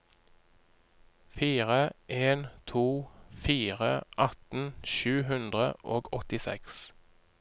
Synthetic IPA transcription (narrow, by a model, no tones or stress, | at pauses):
fiːʁəʔeːnt̪ʰuːfiːʁəʔɑt̪n̩ʃʉːɦʉnd̪ʁəʔoːɡɔt̪ɪsɛ̰ks